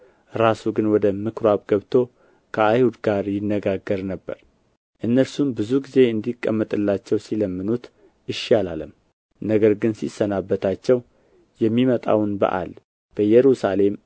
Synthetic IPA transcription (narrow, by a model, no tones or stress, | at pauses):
ɾasuɡɨnwɔd̪əmɨkʰɾoaβɡəβt̪ʰo̞ | kʰəajhud̪ɡaɾjɪnːəɡaɡːəɾnəbːə̰ɾ | ʔɨnːəɾsumbɨzuɡize̞ɨnd̪ikʼːə̰mːət̪ʼɨlːat͡ʃːɛwsiləmːɨnut̪ | ʔɨʃːiala̰ləm | nəɡəɾɡɨnsisənabːət̪ʰat͡ʃːɛw | jɛmːimət̪ʼa̰wnbə̰ʔa̰l | b̥əjɛɾusale̞m